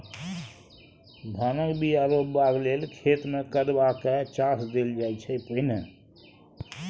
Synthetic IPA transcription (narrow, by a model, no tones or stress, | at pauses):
d̪ʱanəkbiaɾopbaɡlelkʰet̪mekəd̪bakɛt͡ʃasd̪eld͡ʒajt͡ʃʰɛpəin